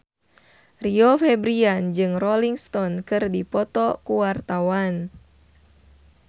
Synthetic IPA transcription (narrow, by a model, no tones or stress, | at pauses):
riofɛbɾiand͡ʒɨŋrɔliŋst̪ɔnkɨrdipɔt̪ɔkuwart̪awan